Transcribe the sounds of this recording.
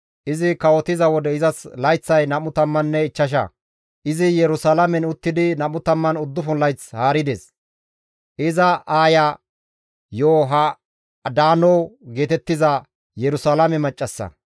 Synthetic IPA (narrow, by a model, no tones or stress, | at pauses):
ʔɪzɪkɐwɔt̪ɪzɐwɔd̪ɛɪzɐslɐjt͡sːɐjnɐmʊt̪ɐmːɐnːɛɪt͡ʃːɐʃ̬ɐ̰ | ʔɪzɪjɛɾʊsɐlɐmɛnʊt̪ːɪd̪ɪnɐmʊt̪ɐmːɐnʊd̪ːʊfʊnlɐjt͡shaːɾɪd̪eːs | ʔɪzɐʔaːjɐ | joːɦɐ | d̪aːnoːɡe̞ːt̪ɛt̪ːɪzɐ | jɛɾʊsaːlɐmɛmɐt͡ʃʼːɐsːɐ̰